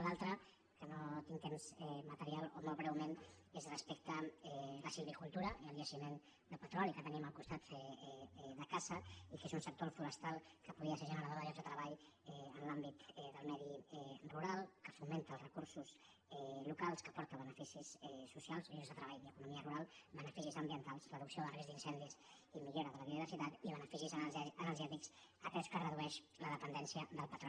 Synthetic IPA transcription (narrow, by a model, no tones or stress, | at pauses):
lalˠt̪ɾə | kənot̪iŋt̪emzɛmət̪əɾialˠomolˠβɾɛwmenezrəspekt̪əɛləsilβikulˠt̪uɾəiəlˠʎəʃimen | d̪əlpət̪ɾɔlikət̪əniməlkust̪at̪ɛðəkazəikezunsək̚t̪oɾfuɾəst̪alˠkəpuð̞iəseɾʒənəɾəðoozðət̪ɾəβaʎ | ɛənlambit̪ɛðəlˠmɛðiɛruɾalˠkəfument̪əːlˠzrəkuɾsus | ɛlukalˠskəpɔɾt̪əβ̞ənəfisisɛsːusialˠzozðət̪ɾəβaʎðəkunumiəruɾalˠbənəfisizəmbiənt̪alˠzləðuksioðərezd̪insɛnd̪is | imiʎoɾəðələðjəðiβəɾsit̪at̪iβənəfisizənəlˠʒjɛt̪iksəpɛskərəðuɛʃ | ləðəpənd̪ɛnsiəðəlˠpət̪ɾo